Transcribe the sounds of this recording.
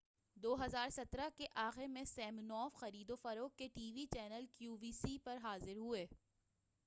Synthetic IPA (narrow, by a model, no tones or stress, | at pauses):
d̪oːɦɐzaːɾsɐt̪ɾakeʔaːxemẽsɛːmnɔːfxɐɾiːd̪ofɐɾoːkːeʈiːʋit͡ʃɛːnəlkjuːʋiːsipɐɾɦaːzɪɾɦueː